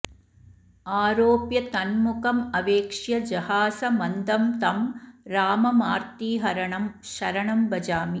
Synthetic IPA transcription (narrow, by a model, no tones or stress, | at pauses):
aːɾoːpjɐt̪ɐnmukɐmɐʋeːkʂjɐd͡ʒɐhaːsɐmɐnd̪ɐmt̪ɐmɾaːmɐmaːɾt̪iːɦɐɾɐɳɐmʃɐɾɐɳɐmbɐd͡ʒaːmi